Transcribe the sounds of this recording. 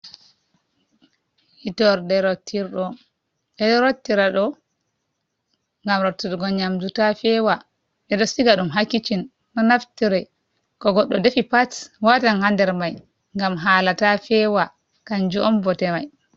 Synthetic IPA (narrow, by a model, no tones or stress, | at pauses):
itɔɾdɛɾɔtʰːiɾɗɔ | ɗɛdɾotːiɾaɗɔ | ŋɡamɾotːiɾɡɔɲamdutafɛwa | ɗɛɗɔsiɡaɗumɦakːit͡ʃin | nɔnaftiɾɛ | kɔɡɔɗːɔdefipatwatanhandɛɾmaj | ŋɡamɦaːlatafɛwa | kaɲd͡ʒuʔɔmbɔtɛmaj